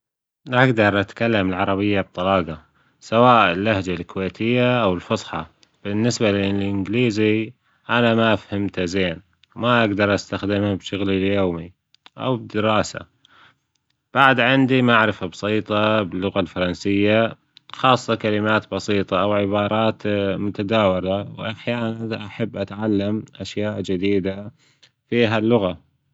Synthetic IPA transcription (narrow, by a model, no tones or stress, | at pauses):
naɡd̪ɑɾˤʔat̪kalːamɪlʕɑɾˤɑbɪjːab̚t̪ˤɑlɑːɡɑ | sawaːʔɪlːahd͡ʒalkweːt̪ʰɪjːaʔawɪlfʊsˤħɑ | b̥ɪnːɪsbalɪlʔɪnɡliːzi | ʔanamaʔafhamt̪azeːn | wmaʔaɡd̪ɑɾˤʔast̪axd̪ɪmhabʃʊɣliljoːmi | ʔa̰wbd̪ɪɾɑːsa̰ | b̥aʕd̪ʕɪnd̪imaʕɾɪfabsˤiːt̪ˤɑbɪlːʊɣalfɑɾˤɑnsɪjːa | xɑːsˤːɑkalɪmaːt̪bɑsiːt̪ˤɑʔawʕɪbɑːɾˤɑːt̪mʊt̪ad̪aːwɪɾawʔaħjaːnanʔaħabːʔat̪ʕalːamʔaʃjaːʔd͡ʒɪd̪iːd̪a | fiːɦalːʊɣa